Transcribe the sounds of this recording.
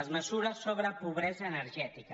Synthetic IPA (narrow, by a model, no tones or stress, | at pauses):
zmesuɾasːoβɾapuβɾezaeneɾʒɛt̪ika